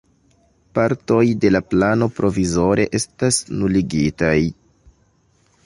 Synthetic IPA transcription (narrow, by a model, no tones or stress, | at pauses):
paɾto̞jde̞laplano̞pɾʔo̞vizo̞ɾe̞ʔe̞stasnuliɡitaj